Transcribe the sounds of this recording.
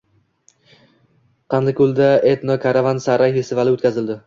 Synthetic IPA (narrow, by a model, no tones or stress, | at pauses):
qʰɑnd̪ɪkʲʰʊlˠd̪aet̪nokʰaɾavansaɾajhɪsɪvalɪot̪̚kʰʲazɪld̪ɪ